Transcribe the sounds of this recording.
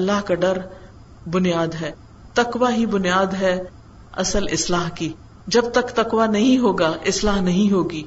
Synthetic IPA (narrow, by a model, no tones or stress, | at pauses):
lːaːɦkaɖɐɾ | bʊnijaːd̪ɦɛː | t̪ɐkʋaɦibʊnijaːd̪ɦɛ | ɐsəlɪslaːɦkiː | d͡ʒɐb̚t̪ɐkt̪ɐkʋanɐɦĩɦoːɡaʔɪslaːɦnɐɦĩɦoːɡiː